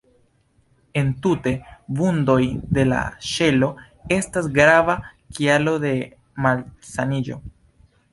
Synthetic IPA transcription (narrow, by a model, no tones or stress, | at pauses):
e̞ntute̞bundo̞jde̞la̰ʃe̞lo̞ | e̞stasɡɾavakialo̞de̞ | malsanid͡ʒo̞̰